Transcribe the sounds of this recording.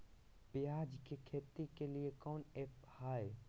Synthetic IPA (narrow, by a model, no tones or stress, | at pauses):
bjad͡ʒkekʰeːt̪ikeliekɔːnephae